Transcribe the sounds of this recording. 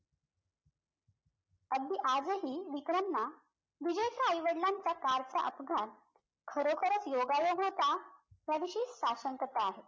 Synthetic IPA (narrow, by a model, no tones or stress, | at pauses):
əɡd̪iʔad͡zɦiːʋikɾəmɳa | ʋid͡ʑəjkʰɾajʋəɽlaɲt͡sakaɾt͡saʔəpɡʱaɾ | kʰəɾokʰəɾət͡sjoɡajoɦɦot̪aɦjaʋiɕiːssaɕəŋkət̪aːɦe